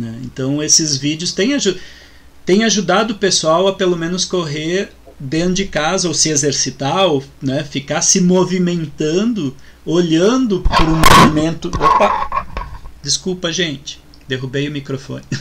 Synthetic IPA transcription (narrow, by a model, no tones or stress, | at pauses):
nɛḛ̃nt̪ɐ̃w̃esɪzvid͡ʒjʊst̪ẽj̃aʒu | t̪ẽj̃aʒud̪ad̪ʊʊpesuawɐpelomẽnʊskoɦeɾ | d̪ẽʊd͡ʒɪkazɐowsɪezeɾsit̪aownɛfikaɾsɪmovimẽnt̪ɐ̃nd̪ʊ | oʎɐ̃nd̪ʊpɾũmovimẽnt̪ʊpa | d͡ʒ̪ɪskupɐʒẽnt͡ʃɪ̥ | d̪eɦubejʊmikɾofõ̰nɪ